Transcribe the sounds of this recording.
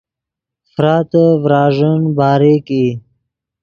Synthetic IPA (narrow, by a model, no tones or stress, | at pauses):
fɾɑːt̪əvɾɑːʐənbɑːɾeki